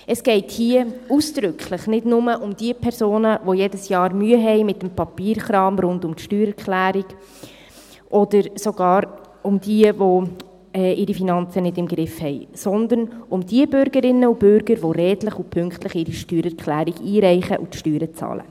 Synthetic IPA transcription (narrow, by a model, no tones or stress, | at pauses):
əsɡ̥ɛɪthiəuːsd̪̥ɾʏkχlɪχnɪdnʊməʔʊmd̥iəpʰɛɾsoːnəʋojɛdəsjɑːɾmyəɦɛjmɪtːəmpɑpiːɾχɾɑːmɾʊndʊmtʃtyːɾɛɾkχlæːɾiɡ | ʔɔd̥̪əɾsoɡ̥ɑːɾ | ʊmdiəvo | ɛːʔɪɾifinɑnt͡sənɪdɪmɡɾɪfhɛɪsɔnd̪ənʊmd̥iəbʏɾɡəɾɪnːəub̥ʏɾɡ̥əɾʋoɾɛːdləχupʰʏŋkχt̪ləχiːɾiʃtyːɾɛɾkχlæːɾiɡiːɾɛɪχəʔṵtʃtyːɾət͡sɑ̰ːlə̰